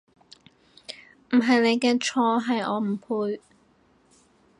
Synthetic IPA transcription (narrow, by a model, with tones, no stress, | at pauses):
m̩˨˩ɦɐ˨jne˨˧jkɛː˧t͡ʃʰɔː˧ɦɐ˨jɔː˨˧m̩˨˩pʰuː˧j